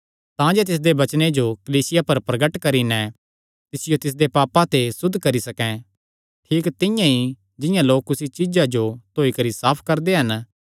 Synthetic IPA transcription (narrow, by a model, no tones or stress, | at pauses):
t̪ãd͡ʒeːt̪̬ɪs̬d̪ebɐt͡ʃned͡ʒokɐliːsɪjapɐɾpɾɐɡəʈkɐɾinɛ̃ | t̪ɪsɪjot̪ɪs̬d̪epaːpãt̪esʊd̪ʱkɐɾisɐkɛ̃ | ʈʰiːkt̪ɪ̃jãi | d͡ʒɪ̃jãloːkːʊsit͡ʃɪd͡ʒad͡ʒot̪ʰoːikɐɾisaːpʰkɐɾd̪eɦɐn